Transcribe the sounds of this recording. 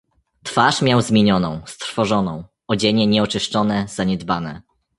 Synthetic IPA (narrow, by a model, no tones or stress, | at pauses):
t̪faʂmʲjawzmʲeɲɔnɔ̃w̃st̪ɾfɔʐɔnɔ̃w̃ | ɔd͡ʑɛɲɛɲɛɔt͡ʂɘʂt͡ʂɔnɛzaɲɛd̪banɛ̰